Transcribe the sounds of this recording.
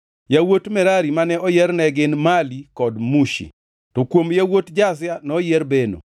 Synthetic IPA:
jawotmɛɾaɾimanɛɔjɛrnɛɡɪnmalikɔdmuʃḭ | tɔkwomjawotd͡ʒas̬janɔjɛrbeno̰

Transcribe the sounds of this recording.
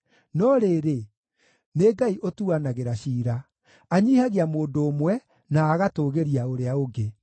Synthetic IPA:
nɔɾeːɾe | neɡaiʔotuanaɣeɾaɕiːɾa | aɲiːhaɣeamoːndoːmwɛ | naːɣatoɣeɾiaoɾeaoɡe

